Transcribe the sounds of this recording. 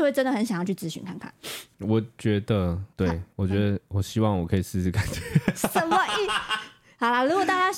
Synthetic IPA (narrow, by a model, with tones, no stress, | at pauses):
xwe˥˩ʈ͡ʂə˥nd̪ə˩xə˧˦nɕjŋjɑ˥˧t͡ɕʰy˥˩t͡sɹ̩˧˥ɕy̰˥˧nkʰa˥˧nkʰa̰˥˩nwɔ˨˩t͡ɕɥɛ˧˥d̪ə˨t̪we˥˩ɪwɔ˨˩t͡ɕɥɛ˧˦d̪ə˧wɔ˨˩ɕi˥wɑ˥˨ŋwɔ˨˩kʰɤ˧˥i˨˩sɹ̩˥˧ʂ̩˥˩ka˨˩nt͡ɕɛ˨˦ʂə˨˦mə˦i˥˩ | hɑ˨˩la˧lu˧˥kwɔ˨˩t̪a˥˩t͡ɕja˥ɕ